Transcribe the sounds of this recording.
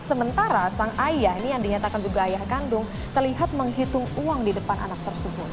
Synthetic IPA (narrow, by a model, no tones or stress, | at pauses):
səmənt̪aɾasaŋajahinijaŋdiɲat̪akand͡ʒuɡaːjahkandʊŋ | t̪ərliɦat̪̚məŋɦit̪ʊŋuaŋdidəpanʔa̰nak̚t̪ərsəbʊt̪̚